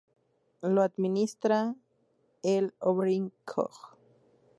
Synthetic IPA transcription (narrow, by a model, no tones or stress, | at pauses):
load̪minist̪ɾa | eloβɾiŋkʰo̰χ